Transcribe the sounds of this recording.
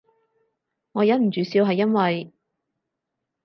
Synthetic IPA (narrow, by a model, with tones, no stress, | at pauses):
ŋɔː˨˧jɐ˨˥m̩˨˩t͡ʃyː˨˧siː˧whɦɐ˨jːɐ˥nwɐ˨j